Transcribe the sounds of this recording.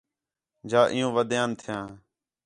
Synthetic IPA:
d͡ʒaːʔɪjõːʋəd̪jãːnt̪ʰɪjãː

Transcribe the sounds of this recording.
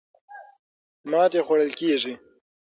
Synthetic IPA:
mɑːt̪exwaɽəlkeːʐi

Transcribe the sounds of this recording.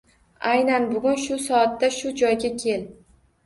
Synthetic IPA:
ajnanbʊɡʲʊnʃʊsɒat̪ːaʃʊd͡ʒɒjɡʲakʲʰe̞l

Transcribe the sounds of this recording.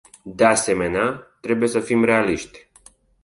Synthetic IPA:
d̪ease̞me̞neat̪ɾe̞buje̞səfimɾe̞aliʃt̪ʲ

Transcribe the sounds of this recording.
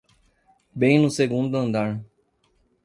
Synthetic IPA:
bẽj̃nʊseɡũnd̪ʊɐ̃nd̪aɾ

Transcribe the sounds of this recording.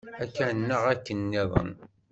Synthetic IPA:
ækːænːəʁækːənːiðˤə̰n

